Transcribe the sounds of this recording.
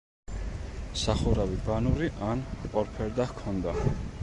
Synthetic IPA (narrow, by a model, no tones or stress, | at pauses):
saχuɾavibanuɾiʔanqʼɔɾpʰɛɾd̪ahkʰɔnd̪a